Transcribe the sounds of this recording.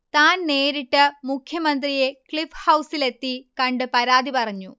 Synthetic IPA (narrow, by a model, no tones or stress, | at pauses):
t̪aːnne̞ːɾiʈːɨmukʰjɐmɐnd̪rije̞kɭifhɐwsile̞t̪ːikɐɳɖɨpɐɾaːd̪ipɐrɐɲːu